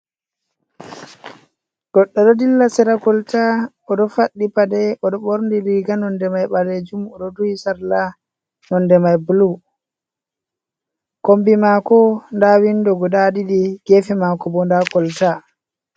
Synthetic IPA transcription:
ɡ̥ɔɗːɔɗɔdilːasɛɾakɔlta | ɔdɔfaɗːipadɛɔɗɔɓoɾndiliɡanɔndɛmajɓaled͡ʒumɔɗɔduisaɾla | nɔndɛmajbulu | kombimakɔndawindɔɡɔdadidiɡ̥ɛfɛmakɔbɔndakɔlta

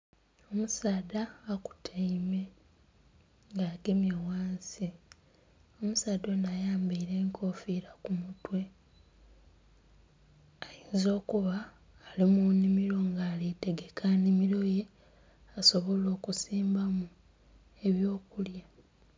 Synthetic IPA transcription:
o̞musaːd̪aːku̥tʰaime̞ | ŋɡaːɡemjawaːnsi | o̞musaːdo̞najaːmbiiɾe̞ːŋkʰo̞fiɾakumutwe̞ | ajiːnzo̞ːkuβaː | limunimiɾo̞ŋɡaːlite̞ɡe̞kʰanimiɾo̞je̞ | aso̞βo̞lo̞ːkusiːmbamu | e̞βjo̞ːkulja

